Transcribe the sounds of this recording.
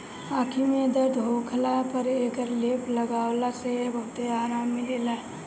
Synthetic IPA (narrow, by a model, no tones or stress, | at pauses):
aːkʰimẽd̪əd̪ɦoːkʰlapəɾeːkəɾleːpʰləɡaːwlasebət̪eaːɾaːmːileːla